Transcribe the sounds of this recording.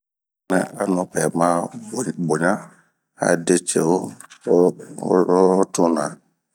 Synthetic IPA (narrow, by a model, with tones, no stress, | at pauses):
nɛ̰̃˨a˨nʊ̃˨pɛ˨mã˦˨bo˨ɲã˦ | a̰˨de˦t͡ʃɛ˨o˦ | tʰʊ̃˦nã˨